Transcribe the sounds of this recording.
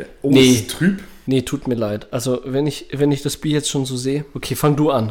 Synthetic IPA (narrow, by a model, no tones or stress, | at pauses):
netʁ̥yːpnətʰuːtmiːɐlaɪtʔʔalzovɛnɪçvɛnɪçd̥asb̥iːɐjɛt͡stʃoːnzoːzeːəʔokʰeːfaŋduːan